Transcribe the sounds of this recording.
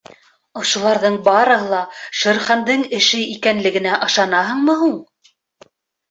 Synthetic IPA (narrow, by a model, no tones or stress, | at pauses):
ŏʃŭlˠɑɾðɤɴbɑɾɤ̆ɦɤlˠɑʃɤ̆ɾχɑnd̪ɤɴɘ̆ʃɘikænlɘ̆ɡɘ̆næʔɤ̆ʃɑnɑɦɤ̆ɴmɤ̆ɦuɴ